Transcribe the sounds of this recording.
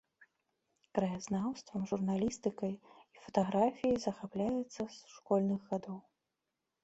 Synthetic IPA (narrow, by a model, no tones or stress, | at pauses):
kɾɐjaznawst̪vɐmʐurnalʲist̪ɨkɐjifɐt̪aɣɾafʲijizɐxaplʲajɛt̪sːɐsʂkɔlʲnɨɣɣad̪ɔw